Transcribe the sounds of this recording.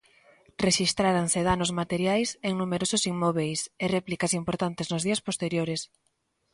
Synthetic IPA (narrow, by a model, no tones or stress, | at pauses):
reʃist̪ɾaɾanseðanʊzmat̪eɾjajseŋnumeɾosʊsiŋmoβejserɛplikasimpoɾt̪ant̪eznʊzðiɐspost̪eɾjoɾes